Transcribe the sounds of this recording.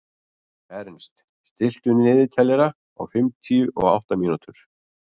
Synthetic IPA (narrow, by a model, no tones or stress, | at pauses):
ɛɾnst̪ | st̪ɪl̥t̪ʏnnɪːðɪt̪ʰɛlːɛɾa | ɔ̰ɣfɪmt̪ʰiʏʔɔ̰ɣa̰wht̪amiːnut̪ʏɾ̥